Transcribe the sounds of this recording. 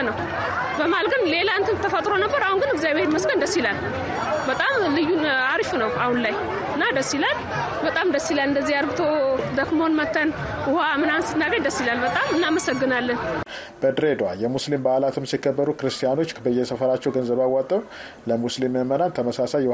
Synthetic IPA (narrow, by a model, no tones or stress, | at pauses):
nəw | bəmalɡɨnle̞lant̪ʰɨnt̪ʰəfət̪ʼɾo̞nəbːəɾahunɡɨnɨɡzjaβeɾməsɡənd̪əsːilal | bət̪ʼamlɨjːunaɾfunəwahunlaj | ɨnːad̪əsːilal | bət̪ʼamd̪əsːilalɨnd̪əzːiaɾɡɨt̪ʰod̪əkmonmət̪ʰːənʊhamɨnasɨt̪naɡəɲd̪əsːilalbət̪ʼamɨnːaməsəɡːɨnalːən | b̥əd̪ɾed̪ajɛmuslimbahlat̪ʰɨmsikʰːəbːəɾukɨɾɨst̪ʰijano̞t͡ʃːbəjːɛsəfəɾat͡ʃːɛwɡənzəβawat̪ʼːəw | ləmuslimjɛmənant̪ʰəməsasajɛ